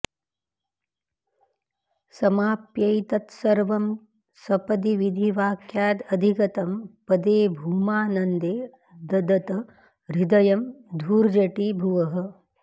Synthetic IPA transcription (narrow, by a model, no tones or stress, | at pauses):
sɐmaːpjɐjt̪ɐt̪sɐɾʋɐm | sɐpɐd̪iʋid̪ʱiʋaːkjaːt̪ɐd̪ʱikɐt̪ɐmpɐd̪eːbʱumaːnɐnd̪eː | d̪ɐd̪ɐt̪ɐ | ɾid̪ɐjɐmd̪ʱuːɾd͡ʒɐʈibʱuʋɐɦɐ̆